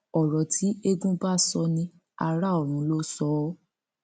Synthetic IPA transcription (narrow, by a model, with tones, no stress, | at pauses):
ɔ˨ɾɔ˨tʰi˨˦e˧ɡũ˦ba˦˨sɔ˧nĩ˧ | a˧ɾa˦ɔ˦˨ɾ̃ũ˨˦lo˦sɔ˦